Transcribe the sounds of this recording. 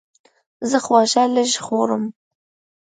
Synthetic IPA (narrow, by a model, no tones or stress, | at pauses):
zəxwɑʒaləʒxoɾəm